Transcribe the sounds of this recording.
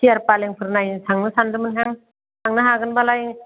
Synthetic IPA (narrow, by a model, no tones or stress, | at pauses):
sijaɾpaleŋpʰɯɾnajsʰaŋnɯsandɯmɯnkʰaŋ | sʰaŋnɯɦaɡɯnbalaj